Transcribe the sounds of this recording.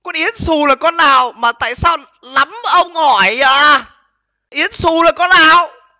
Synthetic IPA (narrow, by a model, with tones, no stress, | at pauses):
kɔ˧nʔi˨˦ənsu˨˩laː˨˩kɔ˨˦nːaː˨˩wmaː˨˩t̪a̰ː˧˨jsaː˧w | la˨˦m˨˩ʔə˧wŋ͡mhɔ˧˩jaː˧˩ | ʔi˨˦ənsu˨˩laː˨˩kɔ˨˧˦naː˨˩w